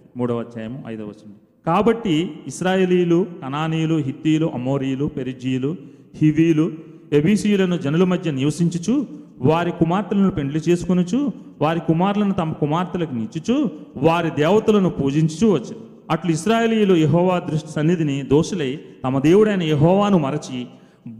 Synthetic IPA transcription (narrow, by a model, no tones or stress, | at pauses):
muːɽɐʋɐt͡ʃːaːjɐmɐɐ̰jd̪ɐʋɐt͡ʃːɐɳʈi | kaːbɐʈːiiʃɾaːje̞ːliːjlukɐnaːniːjuluɦit̪ːiːjuluʔɐmoːɾijulupeɾid͡ʒijulu | hiʋiːjlu | ebiːsijulɐnud͡ʒɐnɐlumɐd̪ʱjɐniʋɐsiɲt͡ʃut͡ʃu | ʋaːɾikumaːɾt̪ulɐnupe̞ɳɖilit͡ʃe̞ːsu̥kunut͡ʃu | ʋaːɾikumaːɾlɐnut̪ɐmɐkumaːɾt̪ulɐkunit͡ʃːut͡ʃuʋaːɾid̪ɛːʋɐt̪ulɐnupuːd͡ʒiɲt͡ʃu̥t͡ʃuːʋɐt͡ʃːɐi | ɐʈluiʃɾaːjeːliːjulujeɦɔːʋaːd̪ɾuʂʈi̥sɐnːid̪inid̪oːʃɐlɐjt̪ɐmɐd̪e̞ːwuɽɐjnɐjeɦɔːʋaːnumɐɾɐt͡ʃi